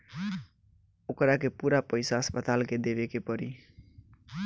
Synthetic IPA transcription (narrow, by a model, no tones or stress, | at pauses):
okɾakepuːɾapəɪsaɦʌspət̪alked̪eβekepɔɾi